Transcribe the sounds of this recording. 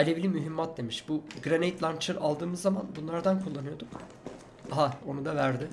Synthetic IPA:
elʲevlʲimyɦimːat̪̚d̪e̞miʃbuɡɾanet̪lʲˠant͡ʃɯɾalˠd̪ɯːmɯzːamanbunlˠaɾd̪ankʰulˠːanɯjo̞d̪um | aɦao̞nud̪avæɾd̪ɪ

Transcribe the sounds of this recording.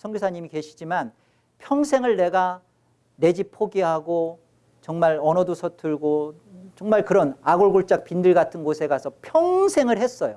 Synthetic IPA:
sʰʌŋɡusʰaɲimike̞ɕʰid͡ʑiman | pʰjʌŋsʰe̞ŋɯɭne̞ɡa | ne̞d͡ʑipʰoɡiɦaɡo | t͡ɕʌŋmaɭʌnʌdosʰʌtʰɯɭɡo | t͡ɕʌŋmaɭkɯɾʌnaɡoɭɡoɭt͡ɕ͈ak̚pindɯɭɡatʰɯnɡosʰe̞ɡasʰʌpʰjʌŋsʰe̞ŋɯɭɦhe̞s͈ʌjo

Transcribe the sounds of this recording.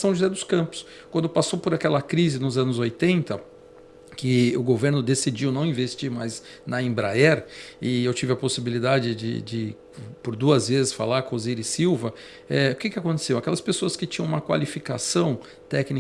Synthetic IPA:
sɐ̃w̃ʒuzɛd̪ʊskɐ̃mpʊ̥s | kwɐ̃nd̪ʊpasowpoɾakɛlɐkɾizɪnʊzɐ̃nʊzojt̪ẽnt̪ɐ | kɪʊɡoveɾnʊd̪esid͡ʒiwnɐ̃w̃ĩvest͡ʃiɾmajz | nɐĩbɾaɛɾɪewt͡ʃivɪɐposibilid̪ad͡ʒɪd͡ʒɪ̰d͡ʒɪ | poɾd̪uɐzvezɪsfa̰laɾkõzejɾɪsiwvɐ | ɛʊkɪkɪakõnt̪e̥sewɐkɛlɐspesoɐskɪt͡ʃĩɲɐ̃ũmɐkwa̰lifikasɐ̃w̃ | t̪ɛkni

